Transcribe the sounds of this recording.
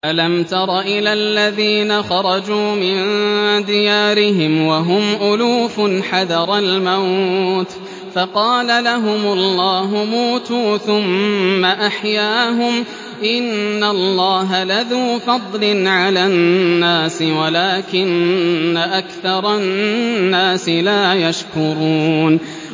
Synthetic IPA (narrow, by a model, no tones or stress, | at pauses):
ʔalamt̪ɑɾˤɑʔɪlalːaðiːnaxɑɾˤɑd͡ʒuːmɪnd̪ɪjaːɾɪɦɪmwaɦʊmʔʊluːfʊnħaðɑɾˤɑlmawt̪ | fɑqɑːlalaɦʊmʊlːɑːɦʊmuːt̪uːθʊmːaʔaħjaːɦʊm | ʔɪnːalˤːɑːɦalaðuːfɑd̪ˤlɪnʕalaːnːaːsɪwalaːkɪnːaʔakθɑɾˤɑnːaːsɪlaːjaʃkʊɾˤuːn